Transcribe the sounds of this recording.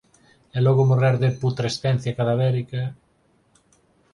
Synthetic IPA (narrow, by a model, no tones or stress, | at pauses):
ɛlɔɣomorɛɾðeput̪ɾest̪ɛn̟θjakaðaβɛɾika